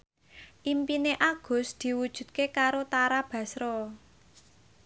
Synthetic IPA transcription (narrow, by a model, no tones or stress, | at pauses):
ʔimpineʔaɡ̥ʊ̤sd̪̥i̤wud̥ʒ̥ṳd̪̚kekaɾot̪aɾab̥ä̤sɾɔ